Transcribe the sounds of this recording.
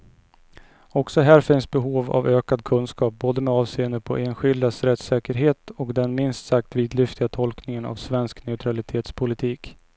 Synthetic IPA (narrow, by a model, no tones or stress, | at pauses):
ɔksɔɦæːɾfɪnsbɛɦuːva̰vøːkad̪kʰɵnskɑːp̚boːd̪əmɛɑːvseːənd̪əpʰɔ̰ʔeːnɧɪld̪asɾɛt̪sɛːkəɾɦeːt̪ɔkd̪ɛnmɪnst̪sak̚t̪viːd̪lʏft̪ɪɡat̪ʰɔlknɪŋəna̰vsvɛnsknɛʉt̪ʰɾalɪt̪ʰeːt̪spʰʊlɪt̪ʰiːk